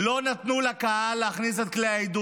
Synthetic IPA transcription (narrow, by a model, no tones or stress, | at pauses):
lo̞nat̪nulakaaleaχniset̪̚kleejd̪u